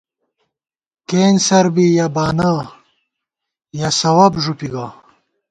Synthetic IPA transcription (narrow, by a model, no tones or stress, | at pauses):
keːnsɐɾbijabaːna | jasɐwɐbʐupiɡa